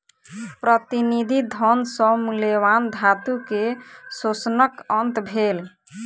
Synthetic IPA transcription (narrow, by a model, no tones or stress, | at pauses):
pɾət̪inid̪ʱid̪ʱɔnsɔ̃mulewand̪ʱat̪ukesosnəkənt̪bʱel